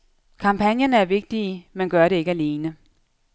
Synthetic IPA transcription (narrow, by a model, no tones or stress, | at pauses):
kʰɑ̈mpʰænjɐnəæɐʋe̝ɡ̥̚d̥iːmenɡ̥ɶɐɾe̝e̝ɡ̥əæle̝ːnə